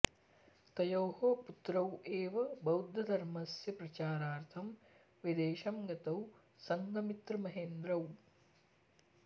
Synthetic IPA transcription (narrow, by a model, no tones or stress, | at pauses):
t̪ɐjoːɦoːput̪ɾɐweːʋɐbɐwd̪ʱːɐd̪ʱɐɾmɐsjɐpɾɐt͡ʃaːɾaːɾt̪ʰɐm | ʋid̪eːʃɐmɡɐt̪ɐw | sɐŋɡɐmit̪ɾɐmɐɦeːnd̪ɾɐw